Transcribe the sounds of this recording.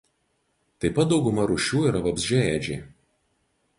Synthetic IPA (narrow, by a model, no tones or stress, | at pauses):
t̪ɐɪpɐt̪̚d̪ɒʊɡʊmɐɾʊʃʲuːiːɾɐʋɐbʲzʲd͡ʒʲɛɛd͡ʒʲḛː